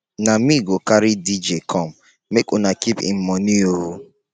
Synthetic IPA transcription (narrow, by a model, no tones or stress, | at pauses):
namiɡokaɾɪdid͡ʒekʰɔm̩ | mekonakipɪ̰m̩mɔnioɾu